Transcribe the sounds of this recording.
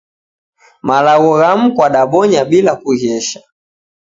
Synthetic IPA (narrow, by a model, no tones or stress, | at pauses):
malaɣɔɣam̩kwaɗaɓɔɲaɓilakuhɛʃḁ